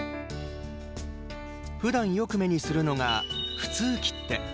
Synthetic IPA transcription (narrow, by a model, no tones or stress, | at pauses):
ɸɯ̟d̪ãɰ̃jo̞kɯ̟me̞ɲ̟isɨɾɯ̟no̞ŋaɸɯ̟̥t͡sɨːkʲi̥t̪ːe̞